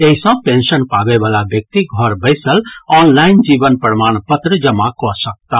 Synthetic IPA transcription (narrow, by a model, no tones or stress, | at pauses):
eɦisɔ̃pẽnsənpabebalabjək̚t̪iɡʱɔɾbəɪsəlɔnlaɪnd͡ʒibənpəɾmañpət̪ɾəd͡ʒəmakɔsək̚t̪a